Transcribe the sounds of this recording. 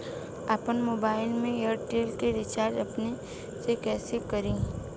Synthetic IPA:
apənmoːbaːɪlmẽjəɾʈeːlkeɾɪt͡ʃaːɾd͡ʒɐpne | sekɛːsekɐɾĩː

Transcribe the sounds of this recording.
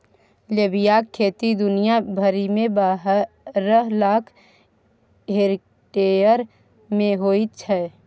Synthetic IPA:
lebijakʰːeːt̪id̪ʊnijabʱəɾimẽbaɦ | ɾəɦlaːkʰ | ɦeɾ | ʈeəɾ | mẽɦoit͡ʃʰɛː

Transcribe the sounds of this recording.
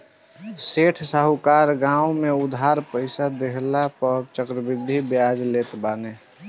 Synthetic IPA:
seʈʰsəɦukaɾɡãumeʊd̪ʱɦaɾpəɪsad̪eɦlapət͡ʃəkɾəbɪd̪ʱːibjad͡ʒlet̪baːne

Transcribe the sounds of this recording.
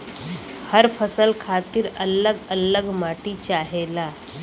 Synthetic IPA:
həɾpʰəsəlkʰat̪iːɾələɡələɡmaʈit͡ɕaɦela

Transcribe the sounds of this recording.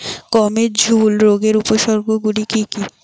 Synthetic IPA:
kɔmeɾd͡ʑʱulɾoɡeɾupoʃɔɾɡoɡuɽikiki

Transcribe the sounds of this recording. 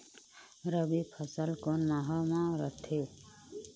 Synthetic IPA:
ɾəbipʰəsəlkɔnmaɦɔmãɾə̰ʈʰe

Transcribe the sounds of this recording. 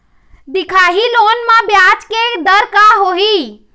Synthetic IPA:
d̪ikʰaɦilonmãbjat͡ʃked̪əɾkaɦoɦi

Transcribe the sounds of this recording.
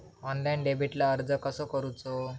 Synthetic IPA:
ɔnlajnɖebiʈlaəɾd͡zəkəsɔkəɾut͡so

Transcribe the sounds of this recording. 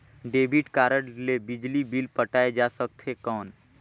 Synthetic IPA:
ɖeːbʱɪʈkaːɾəɽlebɪd͡ʒlibilpɐʈaːed͡ʒaːsək̚t̪ɦekɔːn

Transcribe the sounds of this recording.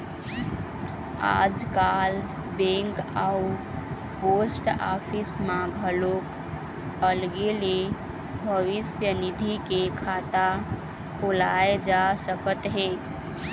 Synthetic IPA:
a̰d͡ʒkal | bẽŋkau | posʈa̰pʰismãɡʱəlok | əlɡele | bʱəʋisjənid̪ʱikekʰat̪a | kʰolaed͡ʒasəkət̪ɦe

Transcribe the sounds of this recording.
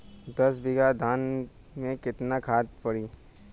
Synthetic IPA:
d̪ɐs̬bɪɡad̪ʱaːn | mẽkɪt̪nakʰaːt̪̚pɐɽiː

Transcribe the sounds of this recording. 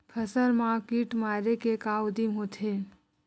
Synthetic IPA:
kʰəsəɾmãkiːʈmaːɾekekawʊd̪imɦot̪ʰe

